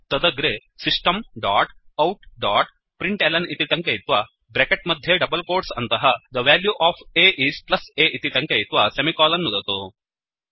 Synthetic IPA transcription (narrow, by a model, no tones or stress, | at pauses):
t̪ɐd̪ɐɡɾe | sisʈɐmɖaːʈɐwʈɖaːʈ | pɾiɳʈelɐnit̪iʈɐŋkejit̪ʋɐ | bɾekeʈ̚mɐd̪ʱjeɖɐbɐlkoːɾʈsɐ̰nt̪ɐɦɐd̪ɐʋaːljuːʔaːfʰeːʔiːsplɐseːʔit̪iʈɐŋkejit̪ʋɐsemikaːlɐnːud̪ɐt̪o